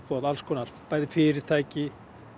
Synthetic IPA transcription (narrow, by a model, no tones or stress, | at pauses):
pʰɔːðalskʰɔːnaɾ̥paːjðɪfɪɾɪɾ̥t̪ʰaːjcɪ